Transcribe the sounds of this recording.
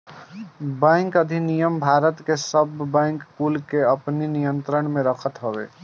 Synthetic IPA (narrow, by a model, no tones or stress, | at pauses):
bɛ̃ːŋkəd̪ʱinijəmbʱaːɾət̪kesəbːɛ̃ːŋkkːuːlkeəpninijə̃nt̪ɾəɳmẽɾəkʰət̪ɦəwḛː